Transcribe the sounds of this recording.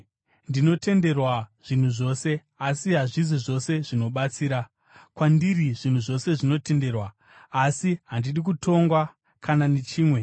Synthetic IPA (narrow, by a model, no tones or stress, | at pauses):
ndino̞te̞nde̞rwaʐ̥in̤uʐo̞se̞ | asiɦaʐiziʐo̞se̞ʐino̞ɓat͡siːɾa | kwandiriʐin̤uʐo̞se̞ʐino̞te̞nde̞rwaː | siɦandiɗik̬utʰo̞ŋɡwa | kʰananet͡ʃiːmwe̞